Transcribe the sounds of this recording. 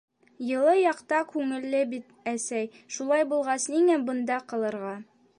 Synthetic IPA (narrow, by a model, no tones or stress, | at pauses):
jɤ̆lˠɤjɑqt̪ɑkʉŋɘ̆lːɘbit̪ | æsæj | ʃulˠɑjbulˠʁɑsniŋæbɤ̆nd̪ɑqɤ̆lˠɤ̆ɾʁɑ